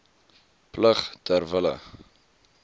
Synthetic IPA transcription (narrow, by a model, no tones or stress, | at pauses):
pləχtʰərvələ̰